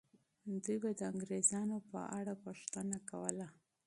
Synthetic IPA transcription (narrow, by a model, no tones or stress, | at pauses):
d̪ujbad̪əaŋɡɾezɑnopə̰ʔa̰ɽapuʂt̪ənakawəla